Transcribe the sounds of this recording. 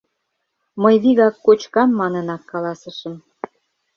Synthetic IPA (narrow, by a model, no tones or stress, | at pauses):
məjβiɣɑkːot͡ɕkɑmːɑnə̆nɑkːɑlɑsə̆ʃə̆m